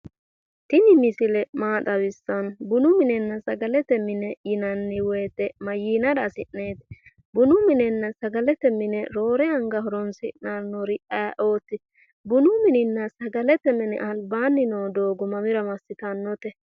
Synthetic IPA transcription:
t̪ɪnɪmɪsɪlɛmaːt̪ʼɐwɪsːɐnbʊnʊmɪnɛnːɐsɐɡɐlɛt̪ɛmɪnɛjɪnɐnːɪwɛjt̪ːɛmɐjiːnɐd̪ɐsɪʔneːt̪ɛ | bʊnʊmɪnɛnːɐsɐɡɐlɛt̪ɛmɪnɛɾo̞ːɾɛɐŋɡɐɦɔɾɔnsɪʔnanːɔɾɪʔɐjaʔo̞ːt̪ːɪ | bʊnʊmɪnɪnːɐsɐɡɐlɛt̪ɛmɪnɛ̰ʔɐlbaːnːɪnoːd̪o̞ːɡʊmɐmɪɾɐmɐsːɪt̪ɐnːɔt̪ɛ

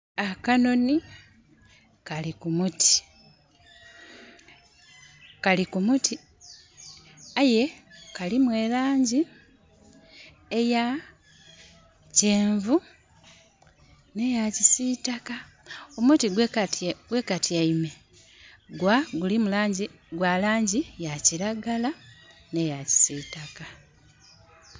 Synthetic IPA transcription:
akano̞ni | kalikumutʰi̥ | kalikumuti | aje̞kalimwe̞laːɲɟi | eja | ceːɱvu | ne̞jacisitaka | omutiɡwetɡwe̞katiaime̞ | ɡwaɡulimulaːɲɟi | ɡwalaːɲɟijaciɾaɡala | ne̞jaci̥siːtaka

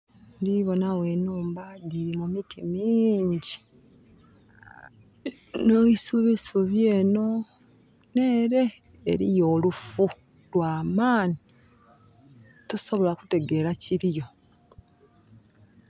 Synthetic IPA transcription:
ndiβo̞nawe̞ːnuːmbaɟiɾimumitʰimiːɲɟi | noβisuβisuβjeːno̞ | ne̞ːɾe̞̰ː | ɾḭjo̞ːlufu | lwaːmaːni | tuso̞βo̞laku̥te̞ɡe̞ɾaciɾijo̞

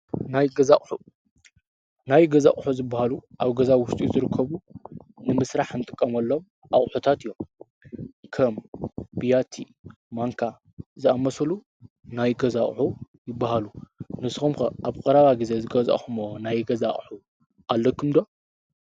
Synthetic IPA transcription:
najɡɐza̰χʼħu | najɡɐza̰χʼħuzɨbːahaluʔaβɡɐzawʊʃt̪ʼiuzɨɾɨkʰːɐβunɨmɨsɾaħɨnt̪ʼɨkʼːɐmɐlːo̞m | ʔaχʼħut̪ʰat̪ɨjːom | kʰɐmbijat̪ʰi | maŋkʰa | zɨamɐsɐlu | najɡɐzaχʼħu | jɪbːaɦalunɨsxumkɐʔaβkʼɨɾaβaɡɨze̞zɨɡɐza̰ʔʼxumonajɡɐzaʔʼħu | ʔalːɐkʰɨmd̪o̞

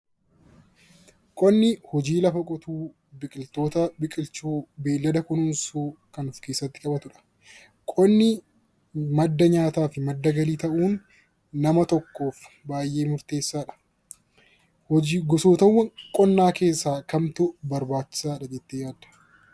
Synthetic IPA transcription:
kʼɔnːɪhɔd͡ʒiːlɐfɐkʼɔt̪uː | bɪkʼɪlt̪o̞ːt̪ɐbɪkʼɪlt͡ʃuːbe̞ːlːɐd̪ɐkʊnʊnsuːkɐnʊfke̞ːsːɐt̪ːɪ̥kʼɐbɐt̪ʊᶑɐ̥ | kʼɔnːɪ | mɐd̪ːɐɲaːt̪aːfɪmɐd̪ːɐɡɐliːt̪ɐʔuːnː | ɐmɐt̪ɔkːo̞ːf | baːjʔe̞ːmʊɾt̪e̞ːsːaːᶑɐ̥ | ɡɔsoːt̪ɐwːɐŋkʼɔnːaːke̞ːsːaːkɐmt̪ʊbɐɾbaːt͡ʃːɪ̥saːᶑɐd͡ʒɛt̪ːejaːd̪ɐ̥

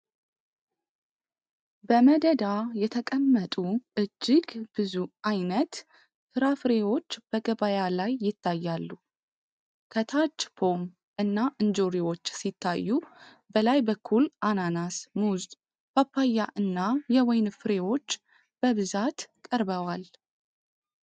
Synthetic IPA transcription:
bəməd̪əd̪ajɛt̪ʰəkʼəmːət̪ʼuʔɨd͡ʒːɪɡb̥ɨzuajnət̪ | hɨɾafɨɾewo̞t͡ʃːb̥əɡəβajalajːɪt̪ʰːajːalːu | kʰət̪ʰat͡ʃːpʰo̞m | ʔɨnːaʔɨnd͡ʒoɾiwo̞t͡ʃːsit̪ʰːajːu | bəlajbəkʰːulʔananasmuzt̪ʼ | bapːajːaʔɨnːajɛwɔjnfɨɾewo̞t͡ʃː | b̥əβɨzat̪kʼəɾbəwal

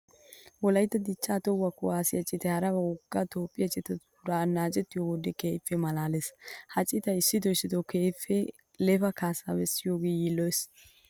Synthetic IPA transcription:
wɔlɐjt̪ːɐd̪ɪt͡ʃːaːt̪ɔwɐkːʊaːsɪjɐt͡ʃʼːɪt̪ɛhɐɾɐbɐʊɡːɐt̪o̞ːpʼːɪjɐt͡ʃʼɪt̪ɛ | ʊɾaːnaːt͡ʃʼɛt̪ːɪjowɔd̪ɛkeːfːɛmɐlaːleshɐt͡ʃʼːɪt̪ɐɪsːɪt̪ɔjsɪt̪ɔkeːfːɛ | lɛfɐkaːsabɛsːɪjoːɡeːjiːlːɔjɛs

